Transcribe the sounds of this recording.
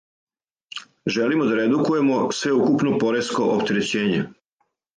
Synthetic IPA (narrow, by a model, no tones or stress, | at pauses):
ʒe̞limod̪aɾe̞d̪ukuje̞mo̞sʋe̞ukupnopo̞ɾesko̞ʔopt̪e̞ɾet͡ɕe̞ːɲe